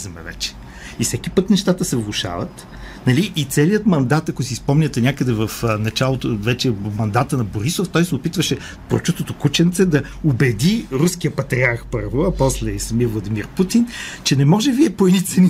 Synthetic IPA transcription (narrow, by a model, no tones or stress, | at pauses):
zɐmɛ̰vɛ̰t͡ʃɛ̥ | ifsɛkipɤknɛʃt̪at̪əsɛvlˠʊʃa̰və̰t̪ | nɐliʔːt̪sɛliət̪mɐnd̪at̪ɐkosispɔmnʲɐt̪ɛnʲakəd̪ɛvəfnɐt͡ʃalˠot̪ovɛt͡ʃɛmɐnd̪at̪ənɐboɾisoft̪ɔjsɛopit̪vəʃɛ | pɾo̰t͡ʃust̪ot̪okut͡ʃɛnt̪sɛd̪ɐ | obɛd̪iɾuskiəpɐt̪ɾiaɾxpɤɾvoɐpɔslɛsɐmiəvlˠɐd̪imiɾput̪int͡ʃɛnɛmɔʒɛviɛpoɛnit̪sɛni